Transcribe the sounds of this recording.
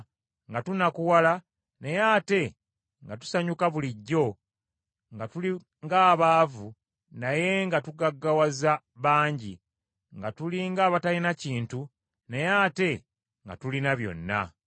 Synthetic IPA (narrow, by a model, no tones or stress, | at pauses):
ŋɡatunakuwala | ne̞jaːte̞ | ŋɡatu̥saɲukaβuliɟːo̞ | ŋɡatuli | ŋɡaːβaːvu | naje̞ŋɡatuɡaɡːawaza | βaːɲɟi | ŋɡatuliŋɡaːβatalinaciːntu | nejaːte̞ | ŋɡa̰tulinaβjo̞̰nːa̰